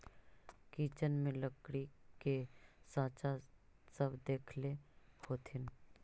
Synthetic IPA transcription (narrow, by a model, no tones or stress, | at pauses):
kiːt͡ʃənmẽləkɽikesaːt͡ʃa | səbd̪eːkʰlehoːt̪ʰɪn